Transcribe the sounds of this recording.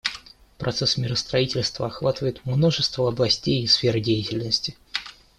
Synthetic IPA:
pɾʔɐt̪sɛsmʲɪɾəst̪ɾɐitʲɪlʲst̪vəɐxvat̪ɨvəjɪt̪mno̞ʐɨst̪vəɐblˠɐsʲtʲejisfʲeɾɨdʲejɪtʲɪlʲnəsʲtʲɪ

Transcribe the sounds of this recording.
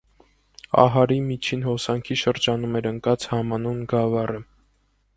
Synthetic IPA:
ɑ̰ɦɑɾimit͡ʃʰinhɔsɑŋkʰiʃəɾd͡ʒɑnumɛɾəŋkɑt͡shɑmɑnunɡɑvɑrə

